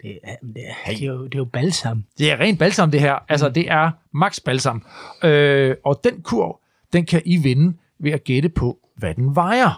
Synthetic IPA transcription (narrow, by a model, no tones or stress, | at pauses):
d̥e̥eed̥e̝job̥ælsɑmd̥e̝æɐʁɛ̰ːndb̥ælsɑ̈m̩d̥e̝ɦæɐ̰ʔæls̬ɐd̥e̝ʔæɐ | mɑ̈ɡ̥sb̥ælsɑ̈møɒ̽d̥enkʰuɐ̰ | d̥enkʰæʔiʋe̝nə | ʋe̝æɡ̥eɾ̥əpʰɒ̽ | ʋæd̥enʋɑ̈ɪɐ